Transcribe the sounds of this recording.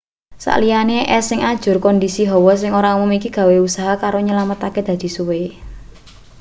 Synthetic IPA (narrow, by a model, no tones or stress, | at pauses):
sa̰ʔlijaneʔɛsɪŋad̥ʒ̥ʊ̤rkɔndisiɦɔwɔs̬ɪŋoɾaumumikiɡ̥ä̤weusaɦakaɾoɲəlamət̪aked̪̥ä̤d̪̥i̤suwe